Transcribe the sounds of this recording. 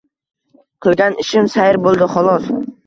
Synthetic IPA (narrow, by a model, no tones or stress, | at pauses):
qʰɨlˠɡʲanɪʃɪmsajɪɾbolˠd̪ɪχɒlˠɒs